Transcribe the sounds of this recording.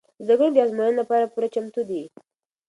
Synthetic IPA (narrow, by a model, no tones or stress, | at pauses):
zd̪aɡunobjɑzmanənlapɑɾapuɾat͡ʃamt̪ud̪i